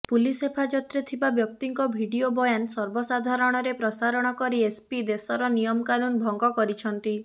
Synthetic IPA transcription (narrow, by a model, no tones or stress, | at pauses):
pulisepʰad͡ʒɔt̪ɾet̪ʰibabjɔkt̪iŋkɔbʱiɽiobɔjansɔɾbɔsad̪ʱaɾɔɽ̃ɔɾepɾɔsaɾɔɽ̃ɔkɔɾiespid̪esɔɾɔnijɔmɔkanunbʱɔŋɡɔkɔɾit͡ʃʰɔnt̪i